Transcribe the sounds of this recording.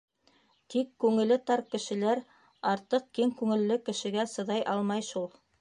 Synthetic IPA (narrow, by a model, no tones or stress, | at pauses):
t̪ikːʉŋɘ̆lːɘt̪ɑɾkɘ̆ʃɘ̆læɾ | ɑɾt̪ɤq̚ːkiŋkʉŋɘ̆lːɘkɘ̆ʃɘ̆ɡæsɤ̆ðɑjʔɑlˠmɑjʃulˠ